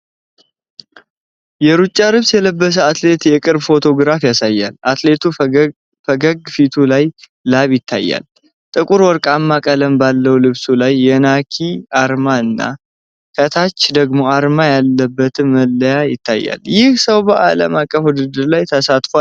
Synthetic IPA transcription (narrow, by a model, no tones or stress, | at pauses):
jɛɾut͡ʃʼːalɨβsjɛləbːəs̬əat̪le̞t̪jɛkʼɨɾbfo̞t̪ʰo̞ɡɾafjasajːa̰lat̪le̞t̪ʰu | fəɡəɡfit̪ʰulajː | aβjɪt̪ʰːa̰jːa̰l | t̪ʼɨkʼuɾwɔɾkʼamːakʼələmbalːəwlɨβsulajːɛnakʰiaɾmaɨnːa̰ | kʰət̪ʰat͡ʃːd̪əɡmo̞aɾmajalːəbːət̪ʰɨnːəlːəjajɪt̪ʰːajːa̰ljɪhsəwbəʔaləmakʼːəfwud̪ɨd̪ɨɾlajt̪ʰəsat̪fal